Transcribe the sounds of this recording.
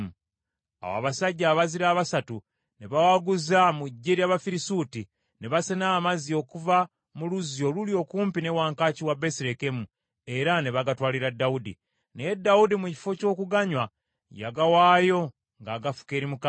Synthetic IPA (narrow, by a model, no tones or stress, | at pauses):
a̰wa̰ːβasaɟːaːβaziɾaːβasatu | ne̞βawaɡuzamuɟːeɾjaβafiɾisuti | ne̞βasenaːmazio̞kuva | muluzjo̞luljo̞ːkuːmpine̞waːŋkaːciwabe̞siɾe̞ke̞mu | e̞ɾane̞βaɡatwaːliɾadːaudḭ | nejedːawudimuci̥fo̞co̞ːkuɡaɲwa | ja̰ɡawaːjo̞ | ŋɡaːɡafu̥ke̞ːɾimuka